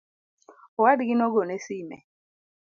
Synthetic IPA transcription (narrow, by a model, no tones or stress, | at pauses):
ɔwadiɡinɔɡonesimɛ̰